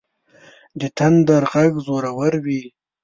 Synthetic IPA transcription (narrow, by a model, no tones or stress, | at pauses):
d̪ət̪ʰand̪aɾɣaɡzoɾawaɾwi